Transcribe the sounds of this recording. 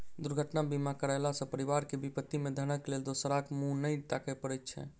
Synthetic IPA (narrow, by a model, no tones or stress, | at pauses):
d̪uɾɡʱəʈnabimakəɾɛlasə̃pəɾiʋaɾkebipət̪ːimed̪ʱənəkleld̪osɾakmũnəjt̪akɛpəɾɛjt̪̚t͡ʃʰɛ̰